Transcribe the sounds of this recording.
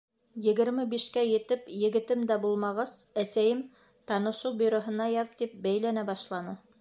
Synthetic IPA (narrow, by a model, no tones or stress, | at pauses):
jɘ̆ɡɘ̆ɾmɘbiʃkæjɘ̆t̪ɘpjɘ̆ɡɘ̆t̪ɘmd̪æbulˠmɑʁɑzæsæjɘm | t̪ɑnɤ̆ʃuwbɵ̆ɾoɦɤ̆nɑjɑðt̪ip̚bæjlænæbɑʃlˠɑnɤ